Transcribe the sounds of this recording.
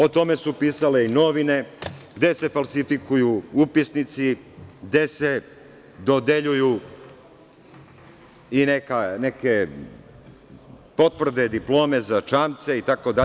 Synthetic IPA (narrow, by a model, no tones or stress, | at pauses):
o̞t̪o̞me̞supiːsale̞ino̞ʋine̞ɡd̪ese̞falˠsifikujuupisnit̪siɡd̪e̞se̞ | d̪o̞d̪e̞ʎuju | inekaneke | po̞t̪ʋr̩d̪ed̪iplo̞ːme̞zat͡ʃamt̪se̞it̪ako̞d̪a